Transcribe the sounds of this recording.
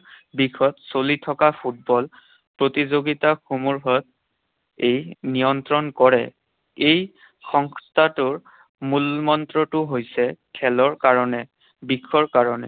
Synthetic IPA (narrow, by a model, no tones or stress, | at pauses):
bikʰɔtsolitʰɔkapʰut̚bɔl | pɹotizoɡitaxumuɹɦɔt̚ | ejnijɔntɹɔnkɔɹɛ̰ | ej | xɔŋstʰatʊɹ | mulmɔntɹɔtʊɦojsɛkʰɛlɔɹkaɹɔnɛ | bikʰɔɹkaɹɔnɛ